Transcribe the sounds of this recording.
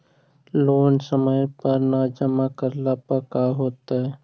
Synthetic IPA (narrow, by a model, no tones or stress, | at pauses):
loːnsəməjpəɾnad͡ʒəmakəɾlapəkaɦoːt̪aɦɛ